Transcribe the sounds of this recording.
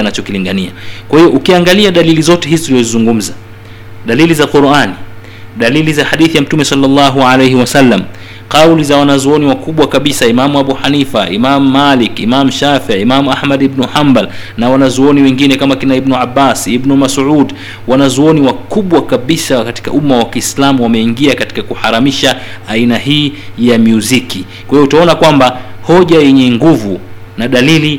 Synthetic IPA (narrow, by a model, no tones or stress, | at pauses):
nat͡ʃɔkiliŋɡaniakwahiɔʔukiaŋɡaliaɗalilizɔtɛɦizitulizɔzizuŋɡum̩za | ɗalilizaquɾani | ɗalilizaħaɗiθijam̩tumɛsɑlːɑlːɑɦualejɦiwasalːam | qawlizawanazuɔniwakuɓwakaɓisaimamuaɓuħanifa̰ḭmamuːalikimamuʃafiaimamuahmaɗibnuħambal | nawanazuɔniwɛŋɡinɛkamakɛnaibnuabːasiibnumasʕud | wanazuɔniwakuɓwakaɓisakati̥ka̰ʔumawakiːslamuwamɛiŋɡiakati̥kakuhaɾamiʃa | ainaɦiːjamjuziki | kwjɔutaɔnakwamba | hɔʄajɛɲɛŋɡuvu | naɗalili